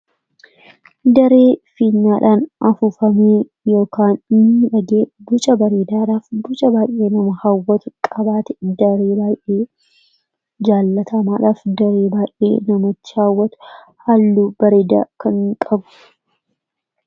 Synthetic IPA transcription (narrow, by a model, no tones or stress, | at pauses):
d̪ɐɾeːfiːnːaːᶑaːnɐfuːfɐmeː | jo̞ːkaːnnɪɪᶑɐɡeːbʊt͡ʃʼɐbɐɾeːd̪aːᶑaːfbʊt͡ʃʼɐbaːjʔe̞ːnɐmɐhaːwːɐt̪ʊkʼɐbaːt̪ɛd̪ɐɾeːbaːjʔeː | d͡ʒaːlːɐt̪ɐmaːᶑaːfd̪ɐɾeːbaːjʔḛːnɐmɔt̪ːɪ̥haːwːɐt̪ʊ̥ | hɐlːuːbɐɾeːd̪a̰ːkɐŋkʼɐbʊ̥